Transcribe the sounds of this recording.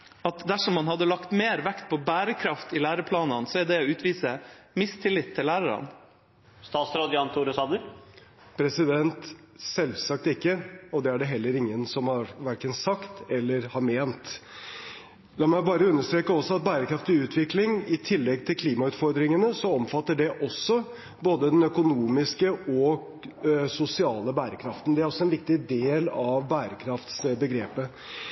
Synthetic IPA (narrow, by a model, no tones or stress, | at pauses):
ɑt̪d̪æʂɔmːɑnhɑd̪ːəlɑkt̪meːɾʋækt̪̚pʰɔbæːɾəkʰɾɑft̪ɪlæːɾəpʰlɑːnɑnsɔæd̪ɛɔʉːt̪ʋiːsə | mɪst̪ʰɪlːɪt̪ʰːɪlæːɾəɾɑ̰n | st̪ɑːt̪sɾɑd̪jɑnt̪ʰuɾəsɑːd̪əɾ | pʰɾɛsɪd̪ɛnt̪ | sɛlsɑk̚t̪ɪkːəɔd̪ɛæɖɛɦɛlːəɾɪŋːənsɔmhɑɾʋæɾkənsɑkt̪ɛlːəɾhɑɾmeːnt̪ | lɑɾmæɪbɑːɾəʉnːəʂt̪ɾeːkəɔsːɔɑt̪̚bæːɾəkʰɾɑft̪ɪʉːt̪ʰʋɪklɪŋɪt̪ʰɪlːɛɡ̚t̪ʰɪlkʰliːmɑʉːt̪fɔɾd̪ɾɪŋənəsɔɔmfɑt̪ːəɖɛʔɔsːɔ | boːd̪əd̪ɛnœkʊnuːmɪskəɔ | sʊsɪɑːləbæːɾəkʰɾɑft̪n̩d̪ɛæɾɔsːɔɛnʋɪk̚t̪ɪd̪eːlɑʋbæːɾəkʰɾɑft̪sbəɡɾeːpə